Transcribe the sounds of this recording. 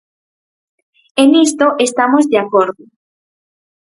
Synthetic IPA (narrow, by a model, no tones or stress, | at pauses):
enist̪oʔest̪amozðeakoɾðo